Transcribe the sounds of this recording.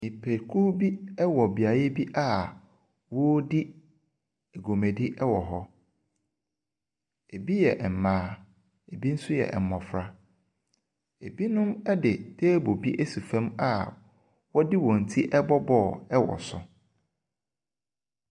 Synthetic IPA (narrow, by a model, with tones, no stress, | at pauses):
mi˨pʰe˨kʰu˦bi˦ɛ˦wɔ˨bi˨a˨je˦bi˦ʔa˨ | wo˦di˦ | e˨ɡo˨mẽ˨di˦ʔɛ˦wɔ˨ɦɔ˦ | e˨bi˦jɛ˨ʔm̩˨mãː˨˦ | e˨bi˦n̩˦sʊ˦jɛ̰˨m̩˨mɔ̃˨fɾa˨ | e˨bi˦nʊ̃˦mɛ˦dɪ˨tʰeː˦bo˨bi˦ʔe˦su˨fɛ̃˦ma˦˨ | wɔ˦dɪ˦wɔ̃˨n̩˨tʰi˦ʔɛ˦bɔ˦bɔ˦˨ɛ˦wɔ̰˨sʊ̰˨